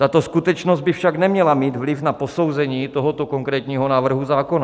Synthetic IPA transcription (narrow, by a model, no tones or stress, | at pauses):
t̪at̪oskut̪ɛt͡ʃnozɟ̚bɪfʃaɡnɛmɲɛlamiːd̪vlɪfnaposowzɛɲiːt̪oɦot̪okoŋkɾɛːt̪ɲiːɦonaːvr̩ɦuzaːkona